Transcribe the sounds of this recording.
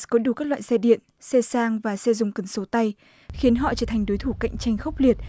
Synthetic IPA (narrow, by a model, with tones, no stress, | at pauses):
kɔ˨˦ɗu˧˩kaː˦˥k̚la̰ː˧˨jsɛ˧ɗḭ˧˨ənsɛ˧saː˧ŋvaː˨˩sɛ˧zʊ̰˧˨ŋ͡mkə˨˩nso˨˦t̪a˧j | xi˨˦ənɦɔ̰˧˨t͡ɕəː˧˩t̪ʰa˨˩jŋ̟ɗo˨˦jt̪ʰu˧˩ka̰˧˨jŋ̟t͡ɕa˧jŋ̟xə˦˥wk͡p̚li˨˩ət̚